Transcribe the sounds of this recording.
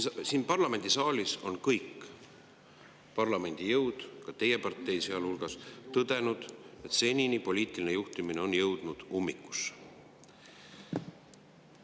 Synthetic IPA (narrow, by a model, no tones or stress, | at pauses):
siːnpɑrlɑme̞nd̪̥isɑːliso̞nkɤjkː | pɑrlɑme̞nʲd̪̥ijɤwd̪̥kɑt̪e̞je̞pɑrt̪ːˑe̞jseɑlulɡ̥ɑst̪ɤd̪e̞nud̪̥e̞t̪se̞nʲinipo̞liːt̪ˑilinejuht̪imineo̞njɤwd̪̥nud̪̥umːikːˑu̥s